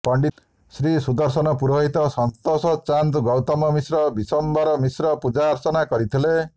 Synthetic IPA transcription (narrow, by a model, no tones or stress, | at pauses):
pɔɳɖi | sɾisud̪ɔɾsɔnɔpuɾɔɦit̪ɔsɔnt̪ɔsɔt͡ʃant̪ɡɔwt̪ɔmɔmisɾɔbisɔmbaɾɔmisɾɔpud͡ʒaːɾt͡ʃɔnakɔɾit̪ʰile